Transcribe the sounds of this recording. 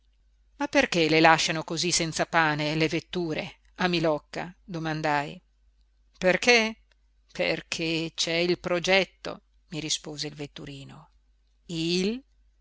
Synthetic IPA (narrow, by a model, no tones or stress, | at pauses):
mapːerkelelaʃːanokozisɛnt̪sapaːnelevet̪ːuːɾe | amilɔkːa̰d̪omand̪aj | perkʰe | pʰḛrkʰet͡ʃɛilpɾod͡ʒɛt̪ːo̰ | miɾispoːzeilvet̪ːuɾiːno | il